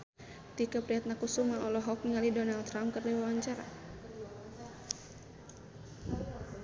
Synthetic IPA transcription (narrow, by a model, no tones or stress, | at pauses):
t̪ikapɾiɦat̪̚nakusumaʔɔlɔɦɔk̚ŋalidɔnalt̪ːɾamkərliwawaɲt͡ʃaɾa̰